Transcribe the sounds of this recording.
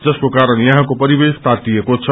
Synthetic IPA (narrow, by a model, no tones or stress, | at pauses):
d͡zʌskokaɾəɳjʌɦãkopʌɾibest̪ʰat̪iekot͡sʰʌ